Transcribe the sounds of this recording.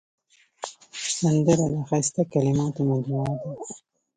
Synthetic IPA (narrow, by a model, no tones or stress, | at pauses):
sand̪əɾad̪axajst̪akalɪmɑt̪omad͡ʒbuɑd̪a